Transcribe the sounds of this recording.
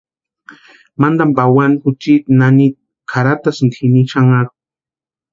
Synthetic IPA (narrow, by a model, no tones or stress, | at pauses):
mand̪ambawanxut͡ʃit̪nani | kʰaɾat̪asnt̪ʰiniʃaŋaɾu